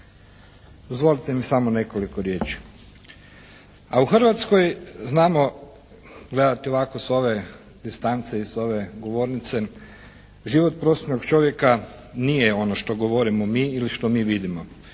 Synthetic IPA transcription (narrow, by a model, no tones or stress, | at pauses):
ozʋo̞lit̪emisamone̞kolikoɾje̞ːt͡ʃi̥ | auxr̩ʋat̪skojznaːmo̞ | ɡle̞d̪at̪io̞ʋako̞so̞ʋe̞ | d̪ist̪ant̪seiso̞ʋe̞ɡo̞ʋo̞ːɾnit̪se̞ | ʒiʋot̪̚pɾosnoɡt͡ʃo̞ʋje̞ka | nijeo̞noʃt̪o̞ɡo̞ʋo̞ɾimomiiliʃt̪o̞miːʋid̪imo